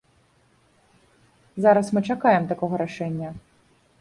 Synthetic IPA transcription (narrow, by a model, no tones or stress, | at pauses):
zaɾɐsmɨt͡ʂakajɛmt̪akɔɣɔɾaʂɛnʲːɐ